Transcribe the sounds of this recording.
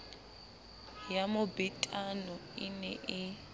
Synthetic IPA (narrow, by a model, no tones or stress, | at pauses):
jamʊbɛtʼanɔɪnɛʔɪ